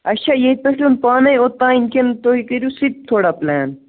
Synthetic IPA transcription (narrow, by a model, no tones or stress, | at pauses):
ɐʃʰaːjeipɐslʲunpaːnɐjot̪ãːinkʰʲent̪oɦikɐɾʲjusit̪̚t̪ʰːoːɽaplɛːn